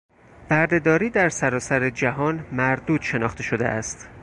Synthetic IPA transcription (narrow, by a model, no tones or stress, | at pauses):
bæɾd̪e̞d̪ɒːɾiːd̪æɾsæɾɒːsæɾed͡ʒæɦɒːnmæɾd̪uːd̪̥ʃe̞nɒ̰ːχt̪e̞ʃo̞d̪e̞̰ʔæst̪